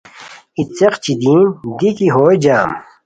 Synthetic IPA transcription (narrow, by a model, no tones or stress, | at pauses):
it̪t͡seqt͡ɕid̪ĩːnd̪ikiɦoːjd͡ʑaːm